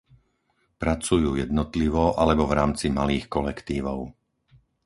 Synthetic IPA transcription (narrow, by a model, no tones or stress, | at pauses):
pɾat͡sujuːjɛd̪nɔt̪liʋɔʔalɛbɔvɾaːmt͡simaliːxkɔlɛkt̪iːʋɔʊ